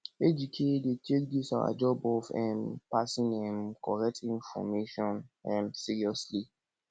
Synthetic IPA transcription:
ed͡ʒikʰedetʰekdisawa̰d͡ʒɔbɔfɛmpasĩnɛ̃mkʰɔɾɛk̚tʰĩnfɔ̰meʃɔ̃nɛ̃msiɹiɔsli

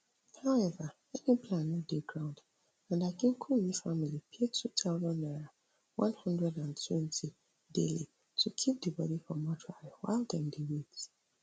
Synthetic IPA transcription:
haʊɛva | ɛnĩpʰlãnɛdeɡɹãʊ̃nd | ãndaɡĩŋkʰuwifamilipʰetʰutʰaʊzɔ̃nːaɹa | wã̰nhʌ̃ndɹɛdãntʰwɛ̃ntʰi | deli | tʰukʰip̚dibɔɾifɔmɔtʰɹawa̰ɪldɛ̃ndiwis

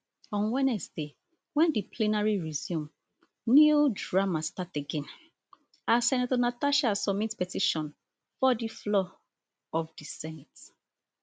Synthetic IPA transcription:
ɔ̃nwɛnɛsde | wɛ̃ndipʰlinaɹiɹizjũm | nudɹamastateɡɛ̃n | asɛnatɔnataʃasɔmitpɛtiʃɔ̃n | fɔdiflɔ | ɔfdisɛ̃nt

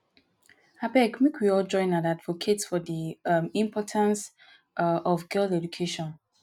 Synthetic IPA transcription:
habɛkmikʰwiɔld͡ʒɔ̃ɪ̃natadvokʰetsfɔdiĩmpʰɔtʰãns | ʔɔvɡɛlθɛd͡ʒukʰeʃɔ̃n

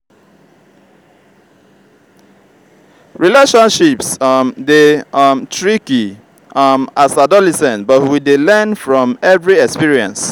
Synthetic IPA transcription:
ɹileʃɔ̃nʃipsmdemtɹiki | masadɔlɛsɛ̃ntbɔtwidelɛ̃nfɹɔ̃mɛvɹiɛkspiɹiɛ̰̃ns

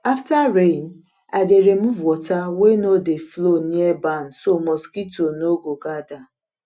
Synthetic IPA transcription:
aftaɾen̩ | adeɾem̩vɔtawenodefloniɛban̩somɔskitonoɡoɡada

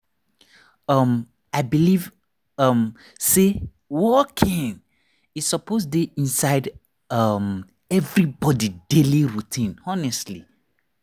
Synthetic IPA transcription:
ʌm | aɪbiliv | ʌm | se | wɔkʰĩn | itsɔposdeʔĩnsaɪd | ʌm | ɛvɹibɔdideliɹutʰĩnɔnɛstli

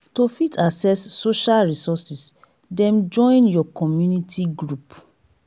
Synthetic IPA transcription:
tofitʰasɛsːoʃalɹisɔsis | dɛ̃md͡ʒɔ̃ɪ̃njɔkɔmjunitʰiɡɹup

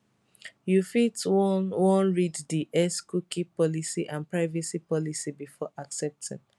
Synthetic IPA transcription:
jufitwɔ̃nɹiddiʔɛskukipɔlisiʔãnpɹaɪvɛsipɔlisibifɔʔaksɛp̚tʰḭ̃n

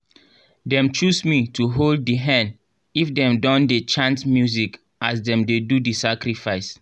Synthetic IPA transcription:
dɛ̃mt͡ʃusmitʰuɦold̚iɦɛ̃nd | ifdɛ̃mdɔ̃ndet͡ʃãntmjuzik | ʔasdɛ̃mdedudisakɾifaɪs

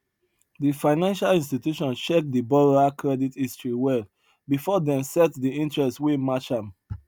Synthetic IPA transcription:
difãɪnãnʃalĩnstitjuʃɔ̃nʃek̚dibɔɹakɹɛditistɹiwɛl | bifɔdɛ̃msɛtdiĩntɹɛstswemat͡ʃãm

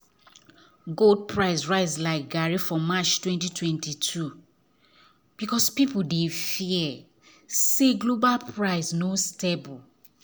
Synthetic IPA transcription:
ɡold̚pʰɹaɪsɹaɪslaɪk̚ɡaɹifɔmat͡ʃtwɛ̃ntitwɛ̃ntitʰu | b̥ikɔspipuldefiɛ | seɡlobalpɹaɪsnostebul

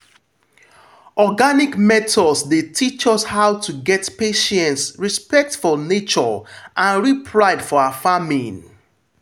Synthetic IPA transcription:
ɔɡanikmɛtʰɔdsdetʰit͡ʃɔshaʊtʰuɡɛtpeʃɛ̃ntsɹispɛk̚tfɔlnet͡ʃɔʔãnɹipʰɹaɪdfɔaafamĩn

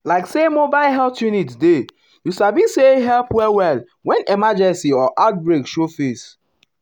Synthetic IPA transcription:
laɪksemobaɪlɦɛltjunitde | juʃabĩseɦɛlpwɛlwɛl | wɛ̃nemad͡ʒɛ̃nsiɔʔat̚bɹekʃofes

